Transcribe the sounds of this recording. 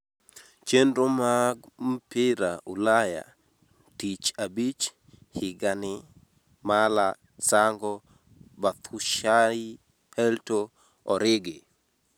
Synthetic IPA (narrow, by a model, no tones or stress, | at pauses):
t͡ʃendɾomaɡm̩pɪɾaulaja̰ | tit͡ʃabit͡ʃ | hɪɡanɪ | mala | saŋɡɔ | bat̪ʰuʃai | hɛlto | ɔɾɪɡɪ